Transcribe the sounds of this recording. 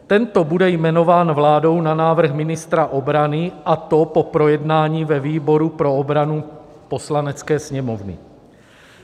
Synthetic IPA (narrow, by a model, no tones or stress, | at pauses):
t̪ɛnt̪o̞budɛjmɛno̞vaːnvlaːdo̞wnanaːvr̩xmɪnɪst̪ɾaʔo̞bɾanɪʔat̪o̞popɾo̞jɛdnaːɲiːvɛviːbo̞ɾupɾo̞obɾanu | po̞slanɛt͡skɛːsɲɛmovnɪ̰